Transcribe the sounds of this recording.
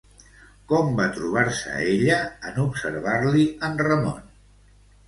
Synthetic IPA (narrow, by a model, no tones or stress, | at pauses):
kɔmbat̪ɾuβ̞aɾsə̰eʎəənupsə̰ɾβ̞aɾliənrəmo̰n